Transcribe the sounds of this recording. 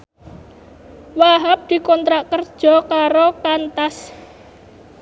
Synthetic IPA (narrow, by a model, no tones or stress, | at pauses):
waɦap̚d̪̥i̤kɔnt̪ɾaʔkərd̥ʒ̥ɔ̤kaɾokant̪as